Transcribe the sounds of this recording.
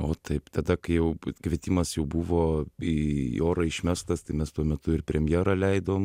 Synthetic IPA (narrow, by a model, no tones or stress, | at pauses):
oːt̪ʰɐɪpt̪ɐd̪ɐkɐɪjɛʊkʋʲiɛt̪ʲiːmɐsjɛʊbuʋoːioːɾɐɪʃʲmʲæst̪ɐst̪ɐɪmʲɛst̪uɔmʲɛt̪ʊɪɾpʲɾʲɛmʲjæːɾɐlʲɛɪd̪oːm